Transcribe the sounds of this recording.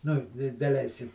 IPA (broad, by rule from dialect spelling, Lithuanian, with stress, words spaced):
nʊ ɪ dɐˈlʲɛɪsʲkʲɪm